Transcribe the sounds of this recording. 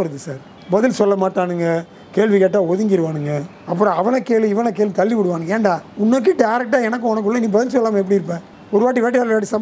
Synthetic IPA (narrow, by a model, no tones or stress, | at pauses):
ɐɾɯðɯsaːɾ | bɐðɪlsɔlːɐmaːʈːaːnɯŋɡɐ | keːɭʋikeʈːaːɔðɯŋɡɪɾɯʋaːɳɯŋɡɐ | ɐpːɯɾɔ̃ɐʋɐnɐkeːɭɯ̃ɪʋɐnɐk̬eːɭt̪ɐlːiʋɪɽɯʋaːnɯŋɡɐeːɳɖaːʊnːɐk̬ːiɖɐjɾɛk̚ʈaːɛnɐk̬ːɯ̃ɔnɐkːɯɭːɐnĩːbɐðɪlsɔlːaːmɐɛp̬ːɐɽiɪɾɯp̬ːẽː | ɔɾɯʋaːʈ̬ːiʋeːʈːɪaːlʋaːʈ̬ːisɐm